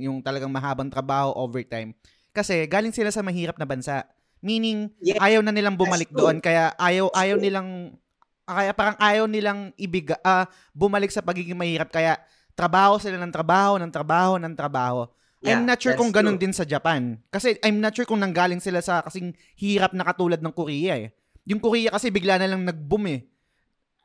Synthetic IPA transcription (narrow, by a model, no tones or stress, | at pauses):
jʊŋt̪ɐlɐɡaŋmɐɦaːbɐŋt̪ɾɐbaːho̞ʔovɛɹt̪ajm | kɐsɛɡaːlɪŋsɪlasɐmɐhiːɾɐp̚nɐbɐnsaʔ | miːnɪŋʔaːjɐwnɐnɪlaŋbʊmɐlɪk̚d̪oʔo̞nkɐjaʔaːjɐwʔaːjɐwnɪlaŋ | ʔaapaːɾɐŋʔaːjɐwnɪlaŋʔɪbɪɡaʔɐ | bʊmɐlɪk̚sɐpɐɡiːɡɪŋmɐhiːɾɐp̚kɐjaʔ | t̪ɾɐbaːho̞sɪlanɐŋt̪ɾɐbaːho̞nɐŋt̪ɾɐbaːho̞nɐŋt̪ɾɐbaːho̞ | ʔʔɐjmnɛtt͡ʃʊɹkʊŋɡɐno̞nd̪ɪnsɐd͡ʒɐpankɐsɛʔɐjmnɛt͡ʃʊɹkʊŋnɐŋɡaːlɪŋsɪlasɐkɐsɪŋ | hiːɾɐp̚nɐkɐt̪uːlɐd̪̚nɐŋkʊɾiːjɐɛ | jʊŋkʊɾiːjɐkɐsɛbɪɡlanɐlɐŋnɐɡ̚bʊmɛ